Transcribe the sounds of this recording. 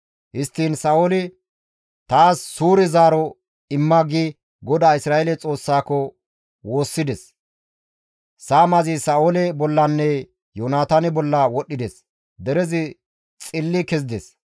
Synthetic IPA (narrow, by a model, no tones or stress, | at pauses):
hɪst̪ːiːnsaːolɪ | t̪aːsːuːɾɪzaːɾɔ | ɪmːɐɡi | ɡɔd̪aːɪsɾaːjɛlɛt͡sʼo̞ːsːaːkɔ | wo̞ːsːɪd̪ɛs | saːmɐzɪsaːolɛbɔlːɐnːɛ | jonaːt̪anɪbɔlːɐwɔɗːɪd̪ɛs | d̪ɛɾɛzɪ | t͡sʼɪlːɪkɛzɪd̪ɛs